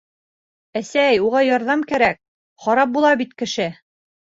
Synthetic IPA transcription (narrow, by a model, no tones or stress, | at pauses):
æsæjuʁɑjɒɾðɑmkæɾæk̚ | χɒɾɑp̚bulˠɑbit̪kɘ̆ʃɘ